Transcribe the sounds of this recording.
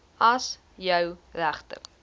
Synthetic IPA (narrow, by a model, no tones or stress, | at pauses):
ɐs | jœwræχtə̰r